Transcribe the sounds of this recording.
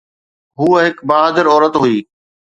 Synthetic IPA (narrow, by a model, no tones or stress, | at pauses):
ɦuːɦɪkbaːɦad̪ɪɾɔːɾət̪ɦuiː